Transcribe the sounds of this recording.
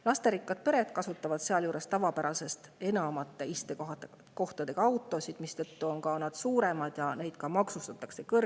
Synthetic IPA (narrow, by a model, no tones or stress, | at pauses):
lɑst̪e̞ɾikˑːɑd̪̥̚peɾe̞t̪kɑsut̪ːˑɑvɑd̪̥seɑljuːɾe̞st̪ɑvɑpæɾɑse̞st̪e̞nɑmɑt̪ːˑe̞ist̪e | ko̞ht̪ɑd̪̥e̞ɡ̥ɑɑwt̪ːˑo̞sid̪̥mist̪ɤt̪ːuo̞nkɑnɑd̪̥suːɾe̞mɑd̪̥jɑne̞jd̪̥kɑmɑksust̪ɑt̪ˑːɑkse̞kɤr